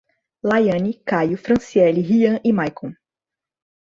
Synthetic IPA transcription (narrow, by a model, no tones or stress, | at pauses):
lajɐ̃nikajʊfɾɐ̃siɛliɦiɐ̃ʔimajkõ